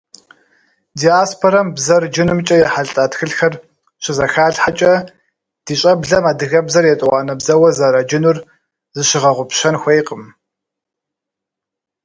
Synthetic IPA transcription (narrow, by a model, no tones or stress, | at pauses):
diaːspʰoɾɐmbzɐrd͡ʒɪnɨmt͡ʃʼɐjɛħaɮɬʼaːtxɨɬxɐr | ɕɪzɐxaːɮħat͡ʃʼɐ | d̥iːɕʼɐbɮɐmaːdɨɣɐbzɐrjɛtʼwɑːnɐbzɐwɐzɐɾɐd͡ʒɪnʊr | zɨɕɪʁɐʁʷʊpɕɐnxʷejqʼəm